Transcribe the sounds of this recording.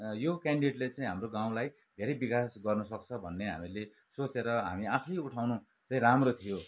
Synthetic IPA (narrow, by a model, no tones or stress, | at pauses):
jokaɳɖiʈlet͡saĩɦamroɡaw̃laj | d̪ʱeɾʌjbikasɡʌrnʌsʌk̚t͡sʰʌbʱʌnːeɦa̰mile | sot͡seɾʌɦa̰miakʰʌjuʈʰawnu | t͡saĩɾamrot̪ʰijo